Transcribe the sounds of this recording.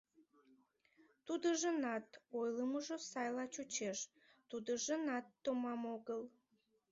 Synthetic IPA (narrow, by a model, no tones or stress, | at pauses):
t̪ud̪əʒənɑt̪ojləməʒosɑjlɑt͡ɕut͡ɕeʃ | t̪ud̪əʒənɑt̪ːomɑmoɣəl